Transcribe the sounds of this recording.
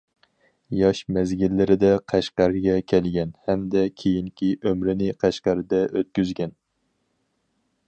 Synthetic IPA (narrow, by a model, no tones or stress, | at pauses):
jɑʃmɛzɡʲilːɪɾɪd̪ɛqʰæʃqɑɾɡʲɛkʲʰɛlɡʲɛnhɛmd̪ɛkʲʰejiŋkʲʰiʔømɾɪnɪqʰæʃqɑɾɨd̪ɛʔøt̪̚kʲyzɡʲɛn